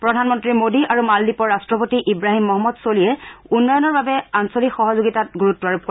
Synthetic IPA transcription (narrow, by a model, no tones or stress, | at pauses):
pɹɔdʱanmɔntɹimodiʔaɹumaldipɔɹɹastɹɔpotiʔibɹaɦimːɔɦɔmːɔdsolijɛunːɔjɔnɔɹbabɛansolikxɔɦɔzoɡitat̚ɡuɹutːuaɹup̚